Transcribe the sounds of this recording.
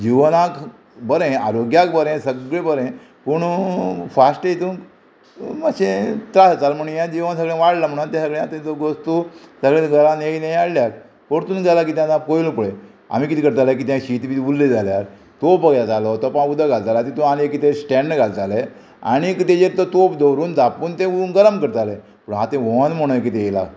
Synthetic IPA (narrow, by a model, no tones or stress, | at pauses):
d͡ʑiʋnak | bəɾẽaɾoɡjakbəɾẽsəɡɭebəɾẽ | puɳfasʈet̪ũ | maɕẽt̪ɾasat͡salm̤əɳjãd͡ʑiʋəns̬əɡɭẽʋaɽlam̤əɽ̃unat̪jãsəɡɭẽat̪ət̪oɡost̪usəɡɭẽɡʱəɾãneinajaɽljaɾ | koɽt̪uːnɡalak̬it̪jãd͡zãpojlupuɭe | a̰mikit̪ʰikəɾt̪alak̬it̪jãɕit̪biulːed͡zaljaɾ | t̪opbəɡjat͡salɔt̪ɔpud̪ʱaɡalt͡salat̪it̪uanekit̪esʈɛ̃ɳɖɡalt͡sale | a̰ɽ̃ikit̪ed͡ʑeɾt̪ɔt̪opd̪əwɾuːnd͡zapuɳt̪ẽnɡəɾəmkəɾt̪ale | pəɳɦãt̪ẽʋoãnm̤əɽ̃ũek̬it̪ẽjela̰